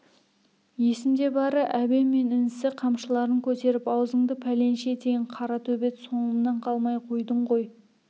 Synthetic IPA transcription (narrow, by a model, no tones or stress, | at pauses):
je̞sɪmd̪e̞bɑɾəʔæbe̞mːe̞nɪnsɪqʰɑmʃəlˠɑɾəŋkʲʰɵt̪e̞ɾɪpɑwzəɴd̪əpʰæle̞nʃe̞t̪ʰeɡʲɪɴqʰɑɾɑt̪ʰɵbe̞t̪so̞nəmnɑɴqʰɑlˠmɑjqʰo̞jd̪əɴʁo̞j